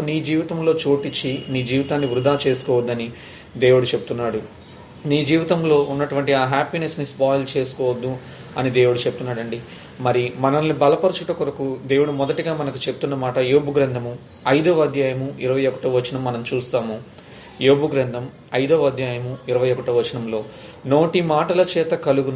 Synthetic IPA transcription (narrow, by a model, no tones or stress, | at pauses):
niːd͡ʒiːʋit̪ɐmlo̞ːt͡ʃoːʈit͡ʃːiniːd͡ʒiːʋit̪aːnːiʋɾud̪aːt͡ʃe̞ːsu̥kɔːʋɐd̪ːɐni | d̪e̞ːwuɽut͡ʃepu̥t̪unːaːɽu | niːd͡ʒiːʋit̪ɐmlo̞ːʔunːɐʈuʋɐɳʈiaːɦaːpinesnispaːjlt͡ʃe̞ːsu̥kɔːʋɐd̪ːu | ɐnid̪e̞ːwuɽut͡ʃeput̪unːaːɽɐɳɖi | mɐɾimɐnɐlːibɐlɐpɐɾt͡ʃuʈɐkuɾɐkud̪e̞ːwuɽumɔd̪ɐʈiɡaːmɐnɐkut͡ʃeput̪unːɐmaːʈɐjoːbuɡɾɐnd̪ʱɐmu | ɐjd̪ɐːɐd̪ʱjaːjɐmuiɾɐʋɐjɔkɐ̥ʈɐʋɐt͡ʃːinɐmːɐnɐmt͡ʃuːst̪aːmu | joːbuɡɾɐnd̪ʱɐm | ɐjd̪ɐːʋɐd̪jaːjɐmuiɾɐʋɐjɔkɐʈɐʋɐt͡ʃːinɐmlo̞ːno̞ːʈimaːʈɐlɐt͡ʃɛːt̪ɐkɐluɡun